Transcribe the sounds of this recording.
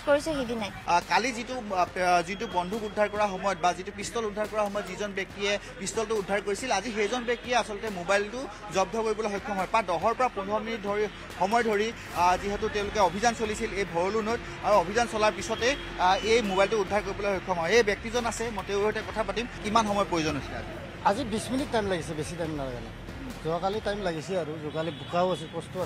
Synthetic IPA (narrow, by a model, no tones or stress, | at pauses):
koɹisɛɦidinajkalizitʊzitʊbɔndʱukudʱːaɹkɔɹaxɔmɔjɔt̚bazitupistɔludʱːaɹkɔɹaxɔmɔjɔtzizɔnbjɛk̚tiɛ | pistɔltʊːdʱːaɹkoɹisilazixejzɔnbjɛk̚tijɛasɔlɔtɛmobajltʊ | zɔb̚dʱɔkoɹibɔlajɦxojkʰːɔɦɔjpadɔɦɔɹpɔɹapunʱɔminit̚dʱɔɹi | xɔmɔjdʱoɹi | ziɦɛtʊteʊ̃lʊkɛobʱizansolisilejbʱɔɹolunot̚ | aɹuobʱizansɔlaɹpisɔtɛ | ejmobajltʊudʱːaɹkoɹibɔlaxojkʰːɔmɦɔjejbjɛk̚tizɔnasɛmɔteʊ̃ɦɔjtɛkɔtʰapatimkimanxɔmɔjpɹojozɔnɦosila̰zi | azibisminitːajmlaɡisɛbesitajmnalaɡɛ̰na̰ | zɔakalitajmlaɡisɛaɹuzɔkalibukawasɛpɔstua